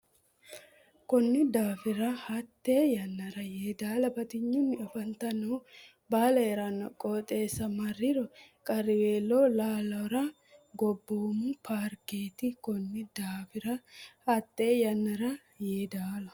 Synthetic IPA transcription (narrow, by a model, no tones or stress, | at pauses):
kɔnːɪd̪aːfɪɾɐhɐt̪ːe̞ːjɐnːɐɾɐjeːd̪aːlɐbɐt̪ɪɲːʊnːɪɔfɐnt̪ɐnɔw | baːlɐɛɾɐnːɔ̰kʼoːt̪ʼe̞ːsːɐmɐrːɪɾɔkʼɐɾɪweːlːoːlaːlɐɾɐ | ɡɔbːoːmʊpʰaːɾkeːt̪ɪkɔnːɪd̪aːfɪɾɐhɐt̪ʼːe̞ːjɐnːɐɾɐ | jeːd̪aːlɐ